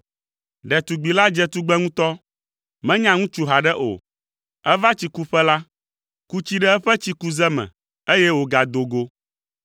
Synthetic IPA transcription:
ɖɛ˨t̪u˨ɡ͡bi˨la˦d͡ʒɛ˦t̪u˦ɡ͡bɛ˦ŋũ˦t̪ɔ˦ | mɛ̃˦ɲã˦ŋũ˦t͡ʃu˦ɦa˨ɖɛ˦ʔo̰˨ | ɛ˦va˦t͡ɕi˨ku˦ɸɛ˦la˦ | ku˦t͡ɕi˦ɖɛ˦ɛ˦ɸɛ˦t͡ɕi˦ku˦zɛ˦mɛ̰̃˨ | e˦jɛ˦wo˨ɡa˨d̪o˨ɡo˦

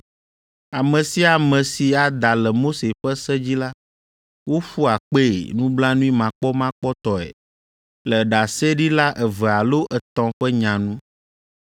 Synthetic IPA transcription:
a˨mɛ̃˨si˦a˨mɛ̃˨si˨a˨d̪a˨lɛ˨mo˦se˨ɸɛ˦sɛ˦d͡ʑi˦la˦ | wo˦ɸu˦a˨k͡pḛ˦˨nũ˦bla˦nũ˦i˦mã˨k͡pɔ˦mã˦k͡pɔ˦t̪ɔ˨ɛ̰˨ | lɛ˨ɖa˨sɛ˦ɖi˦la˦ʔɛ˨vɛ˨a˨lo˦ʔɛ˨t̪ɔ̃˨ɸɛ˦ɲã˨nũ˦

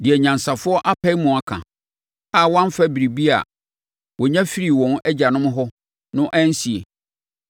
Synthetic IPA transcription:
dɪ˨ɛ˨ɲã˨nsa˨fʊ˦ɔ˦ʔa˦pʰɛ˦i˦mũ˨a˨kʰã̰˨ | a˦˨wɔ̃˦m˦fa˦bi˨ɾi˨bi˦a̰˨ | wɔ˨ɲã˦fi˦ɾi˨wɔ̃˨nɛ˦d͡ʑa˨nʊ̃˦m˦ɦɔ˦ | nʊ̃˦ʔæ̃˦n̩˦si˨ḛ˨

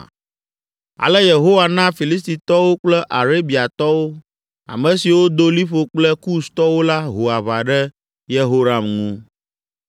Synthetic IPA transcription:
a̰˨lɛ˦je˨ɦo˦wa˨nã˦fi˨li˦s̬t̪i˨t̪ɔ˦wo˦k͡plɛ˦ʔa˨ɾe˦bi˨a˨t̪ɔ˦wo˦ | a̰˨mɛ̃˨si˨wo˦d̪o˦li˦ɸo˦k͡plɛ˦ku˦st̪ɔ˦wo˦la˦ɦo˨a˨βa˨ɖɛ˦ | je˦ɦo˦ɾa˨mŋũ˦

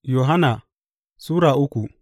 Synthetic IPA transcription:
jo˨ɦa˦na˨ | suː˦ɾa˨ʔʊ˦kʷu˨

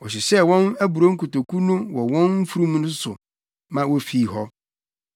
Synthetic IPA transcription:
ɔ˨ɕɪ˨sɛ˦wɔ̃˦næ˦bu˨ɾo˦ŋ̩˦kʰu˨to˨kʰu˦nũ˦wɔ˨wɔ̃˦nm̩˦fu˦ɾũ˦mũ˦nʊ̃˦sʊ˨ | mã˦wɔ˦fiː˨ɦɔ˦

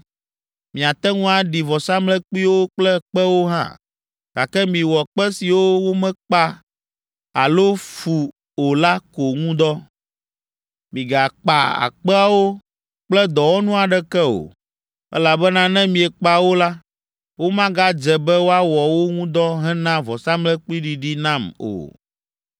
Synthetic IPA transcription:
mĩ˨a˨t̪ɛ˦ŋũ˦a˨ɖi˨vɔ˨sa˦mlɛ˦k͡pi˦wo˦k͡plɛ˦k͡pɛ˦wo˦ɦã̰˦˨ | ɡ̥a˨kɛ˦mĩ˨wɔ˨k͡pɛ˦si˨wo˦wo˦mɛ̃˦k͡pa˦ | a˨lo˦fu˨ | o˨la˦ko˨ŋũ˦d̪ɔ˦ | mĩ˨ɡa˨k͡pa˨a̰˨k͡pɛ˦a˦wo˦ | k͡plɛ˦d̪ɔ˨wo˦nũ˦a˨ɖɛ˦kɛ˦o̰˨ | ɛ̰˦la˨bɛ˦nã˦nɛ̃˦mĩ˨ɛ˨k͡pa˦wo˦la˦ | wo˦mã˦ɡa˦d͡ʒɛ˨bɛ˦wo˦a˦wɔ˨wo˦ŋũ˦d̪ɔ˦ɦɛ̃˦nã˦vɔ˨sa˦mlɛ˦k͡pli˦ɖi˨ɖi˦nã˦mo̰˨

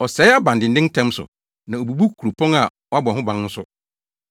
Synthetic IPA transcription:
ɔ˨sɛː˨˦a˦bã˨ndɪ̃˨n̩˦dɪ̃˦n˦tʰɛ̃˦msʊ̰˨ | nã˨o˨bu˨bu˦kku˨ɾo˨pʰɔ̃˦ŋa˨ | ɔ˨˦a˦bɔ˨ɦʊ̃˦bã˦n̩ː˦sʊ˦

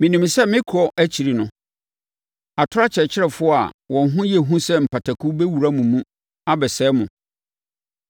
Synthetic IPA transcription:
mɪ̃˨nĩ˨m˨sɛ˦mɪ̃˦kʰɔ˨ʔæ˦t͡ɕʰi˨ɾi˨nʊ̃˦ | a˨tʰʊ˦a˦t͡ɕʰɪ˨ɛ˨t͡ɕʰɪ˦ɾɛ˨fʊ˦a̰˨wɔ̃˨˦ɦʊ̃˦jɛ˨ɦũ˦sɛ˦m̩˨pʰa˨tʰa˨kʰu˦bɛ˦wu˨ɾa˦mũ˨mũ˦ | a˦bɛ˨sɛː˨˦mʊ̃˨

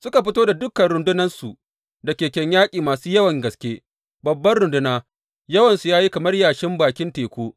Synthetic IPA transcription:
sʊ˦ka˨ɸɪ˦toː˦da˨dʊ˦kːɐ˨nɾʊ˨ndʊ˦nɐ˦nsu˨ʔ | dɐ˨kʲeː˨kʲɛ˨ɲjaː˦kʲʼiː˨maː˨suː˦jɐ˦wɐ˨ŋɡɐ˨skʲeː˦ | bɐ˨bːɐ˦nɾʊ˨ndʊ˦naː˦ | jɐ˦wɐ˨nsu˨jaː˦ji˦kɐ˨mɐ˦rjaː˨ʃɪ˦mbaː˨kʲɪ˦nteː˨kʷoː˦

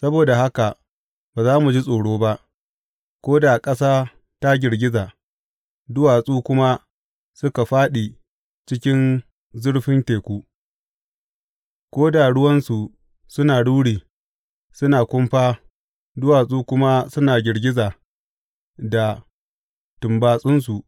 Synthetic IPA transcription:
sɐ˦boː˨da˨ha˦ka˨ | baː˨zaː˦mu˨d͡ʒi˦sʼoː˨ɽoː˦ba˦ʔ | kʷoː˦da˨kʼɐ˦saː˦ | ta˦ɡʲɪ˨ɾɡʲɪ˦zaː˨ | dʊ˦waː˨sʼuː˦kʷʊ˦ma˦ | sʊ˦ka˨ɸaː˦ɗi˨ | t͡ʃɪ˦kʲɪ˦n | zʊ˦ɽɸɪ˦nteː˨kʷuː˦ | kʷoː˦da˨ɽʊ˦wɐ˦nsu˨ | sʊ˦naː˨ɽuː˦ɽiː˨ | sʊ˦naː˨kʷʊ˦mɸaː˦ | dʊ˦waː˨sʼuː˦kʷʊ˦ma˦sʊ˦naː˨ɡʲɪ˨ɽɡʲɪ˦zaː˨ | da˨ | tʊ˨mbaː˨sʼʊ˦ns̬u˨ʔ

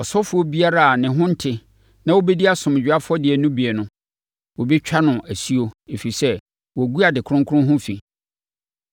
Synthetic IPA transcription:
ɔ˨sɔ˦fʊ˨˦o˦bi˦a˦ɾa˦a˨nɪ̃˨ɦʊ̃˦n̩˦tʰɪ˨ | nã˦wo˦be˦di˦a˦sʊ̃˨m˨d͡ʑᶣa˦fʊ˦ɔ˦dɪ˨ɛ˨nʊ̃˦bi˨ɛ˨nʊ̃˨ | wo˨bi˦t͡ɕᶣa˦nʊ̃˨ʔæ˨si˦o˦e˨fi˨sɛ˦ | wɔ˨æ˨ɡu˦a˨dɪ˨kʰʊ̃˦ŋkʰʊ˦ʊ̃˦ɦʊ̃˦fi˨

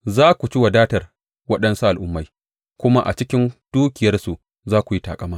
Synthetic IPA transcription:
zaː˦kʷu˨t͡ʃɪ˦wa˨daː˦tɐ˨r | wɐ˦ɗɐ˦nsu˦ʔa˨lʔʊ˦mːa˨j | kʷʊ˦ma˦ʔa̰˨t͡ʃɪ˦kʲɪ˦nd̥uː˦kʲɪ˨jɐ˦rsu˨ʔ | zaː˦kʷu˨ji˦taː˨kʼɐ˦maː˦

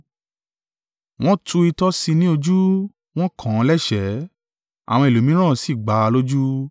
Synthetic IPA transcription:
w̃ɔ̃˦tʰu˧i˧tɔ˦si˧nĩ˦o˧d͡ʒu˦ | w̃ɔ̃˦kʰã˨˧˦lɛ˦ʃɛ˨˦ | a̰˨w̃ɔ̃˧i˨lu˨˦mĩ˦ɾ̃ã˦˨si˦˨ɡ͡ba˨˦˧lo˦d͡ʒu˦

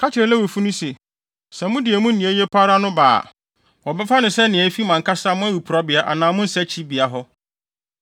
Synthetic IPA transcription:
kʰa˦t͡ɕʰɪ˨ɾlɛ˦we˨fu˦nʊ̃˦se˨ | sɛ˨mʊ̃˦dɪ˨ɛ˨mũ˦n˦ĩ˨e˦jɛ˦pʰa˦ɾa˦nʊ̃˦ba̰ː˨ | wɔ˨bɛ˦fa˦nʊ̃˨sɛ˦nɪ̃˨ɛ˨˦fi˦mã˨ŋkʰa˦sa˦mʊ̃˦æ˦wi˨pʰu˨ɾɔ˦bɪ˨a˨ʔa̰˨nãː˨˦mʊ̃˦n̩˦sɛ˦t͡ɕʰi˦bi˨a˨ɦɔ˦

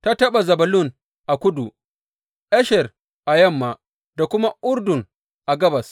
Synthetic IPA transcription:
ta˦tɐ˦ɓa˨zɐ˨bɐ˨lʊ˦˨n | ʔa˨kʷʊ˦du˨ | ʔɛ˦ʃɛ˨r | ʔa˨jɐ˦˨mːa˨ | da˨kʷʊ˦ma˦ʔʊ˦ɾdʊ˨ŋ | ʔa˨ɡɐ˦bɐ˨s

